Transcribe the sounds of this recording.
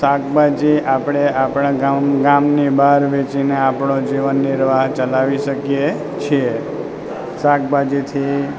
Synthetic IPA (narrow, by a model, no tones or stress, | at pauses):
sak̚bad͡ʒiapɽ̃eapɽãɡamɡamnibaɾʋet͡ʃineapɳod͡ʒiʋənːiɾʋaɦt͡ʃəlaʋiʃəkje | t͡ʃʰie | sak̚bad͡ʒit̪ʰi